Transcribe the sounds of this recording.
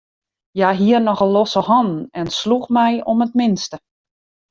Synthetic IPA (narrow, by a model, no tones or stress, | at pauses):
jaɦiərnɔxəlosəhɔnn̩ɛnsluxmɛjɔmətmɪnstə